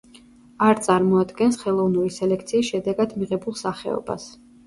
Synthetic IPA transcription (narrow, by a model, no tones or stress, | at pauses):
aɾt̪sʼaɾmɔad̪ɡɛnsχɛlˠɔvnuɾisɛlɛk̚ʰt̪sʰiːsʃɛd̪ɛɡad̪miʁɛbulˠsaχɛ̰ɔ̰ba̰s